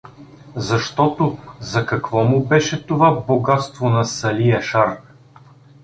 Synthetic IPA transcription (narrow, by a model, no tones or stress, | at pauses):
zɐʃt̪ɔt̪ozɐkɐkvɔmʊbɛʃɛt̪ovaboɡat̪st̪vonɐsɐliɛʃaɾ